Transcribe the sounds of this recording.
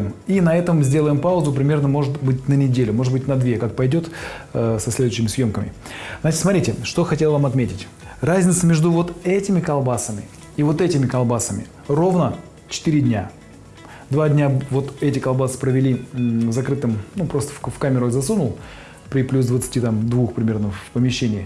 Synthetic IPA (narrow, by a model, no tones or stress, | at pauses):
minɐɛt̪əmzʲdʲe̞ləjɪmpaʊzʊpɾʲɪmʲe̞rnəmo̞ʐɨt̪bɨtʲnənʲɪdʲelʲʊmo̞ʐɨd̪̚bɨtʲnɐd̪vʲekak̚pɐjdʲo̞t̪ːsɐsʲlʲed̪ʊɕːɪmʲɪsjo̞mkəmʲɪ̰znat͡ʃɪtsmɐt̪ɾʲitʲɪʂt̪o̞xɐtʲelˠvamɐt̪mʲetʲɪtʲ | razʲnʲɪt̪səmʲe̞ʐd̪ʊvo̞t̪ɛtʲɪmʲɪkɐlˠbasəmʲɪ̰ | ivo̞t̪ɛtʲɪmʲɪkɐlˠbasəmʲɪ̰ | ro̞vnə | t͡ɕɪ̥t̪ɨɾʲɪdʲnʲa | d̪vadʲnʲavo̞t̪ɛtʲɪkɐlˠbasɨ̥pɾəvʲɪlʲivzɐkɾɨt̪ɨmnupɾost̪ə̥fkamʲɪɾʊzɐsunʊlˠ | pɾʲɪplʲusd̪vət̪sɨ̥tʲit̪amd̪vuxpɾʲɪmʲe̞rnəfpəmʲɪɕːenʲɪː